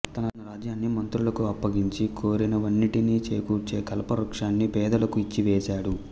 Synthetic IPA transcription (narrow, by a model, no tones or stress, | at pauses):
t̪ɐnɐnɐɾaːd͡ʒjaːnːimɐnt̪ɾulɐkuɐpːɐɡiɲt͡ʃikʰo̞ːɾinɐʋɐnːiʈiniːt͡ʃeːkuːt͡ʃe̞ːkɐlɐpɐɾukʂaːnːipɛːd̪ɐlɐkuit͡ʃːiʋɛːsaːɽu